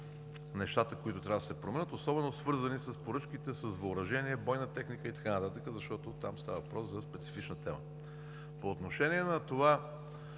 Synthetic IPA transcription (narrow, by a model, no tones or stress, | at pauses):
nɛʃt̪at̪əkoit̪ʊt̪ɾʲavɐəd̪əsɛpɾomɛnət̪osɔbɛnosvɤɾzənisəspoɾɤt͡ʃkit̪ɛsəzvɐːɾɐʒɛniɛbɔjnət̪ɛxnikəit̪ɐ̥kanət̪at̪əkəzɐʃt̪ɔt̪ot̪amst̪avəvɐpɾɔszɐspɛt̪si̥fit͡ʃnət̪ɛmə̰ | poːt̪noʃɛniɛnɐt̪ova